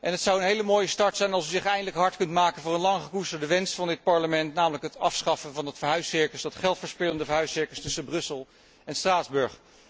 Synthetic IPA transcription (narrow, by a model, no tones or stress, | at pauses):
ʔɛnɦətsɑwənɦejləmoːjəstɑɹtsɛjnɑlˠsyzɪχɛjndələkɦɑɹtkɵntmaːkənvʊːɹənlɑŋχəkustəɹdəʋɛnsfɑndɪt̚pɑɹləmɛntnaːmələkɦətɑfsχɑfənvɑnətfəɹɦœɥsɪɹkəsdɑtχɛlˠtfəːɹspɪləndəvəɹɦœɥsɪɹkəstɵsənbrɵsəlˠ | ɛnstraːdzbɵɹχ